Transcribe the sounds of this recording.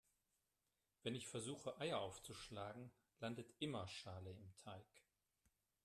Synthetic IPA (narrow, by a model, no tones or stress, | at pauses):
v̥ɛnɪçfɛɐzuːxəʔaɪɐʔaʊft͡suʃlaːɡŋ̩ | landətʔɪmɐʃaːləɪmtʰaɪk